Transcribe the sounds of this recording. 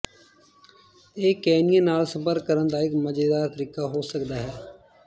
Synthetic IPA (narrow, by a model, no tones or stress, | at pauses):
eːkɛːnijãːnaːlsə̃mpəɾkːəɾənd̪aːɪkməd͡ʒeːd̪aːɾt̪əɾiːkaːɦoːsəkd̪aːɦɛː